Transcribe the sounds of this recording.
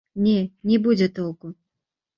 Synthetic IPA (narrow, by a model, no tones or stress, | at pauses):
nʲɛnʲɛbud͡zʲɛt̪ɔlˠku